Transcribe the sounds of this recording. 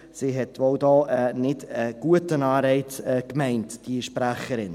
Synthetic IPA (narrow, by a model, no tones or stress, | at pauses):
siːɦɛtʋoʊdɔːɛnɪdəɡ̥uətənɑːɾɛɪtɛkmɛɪntd̥iʃpɾæχəɾɪn